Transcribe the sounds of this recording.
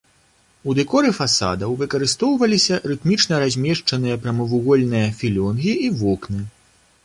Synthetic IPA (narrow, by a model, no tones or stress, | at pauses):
ud̪ɛkɔɾɨfasa̰d̪ɐwvɨkɐɾɨst̪ɔwvɐlʲisʲɐɾɨt̪mʲit͡ʂnɐɾazʲmʲɛʂt͡ʂɐnɨjɐpɾɐmɨvuɣɔlʲnɨjɐfʲilʲɔnɣʲiivɔknɨ